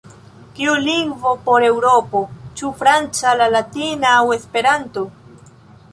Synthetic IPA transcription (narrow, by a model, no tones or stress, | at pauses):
kiuliŋɡvo̞po̞ɾe̞wɾo̞po̞t͡ʃufɾant͡salalatinaːwe̞spe̞ɾanto̞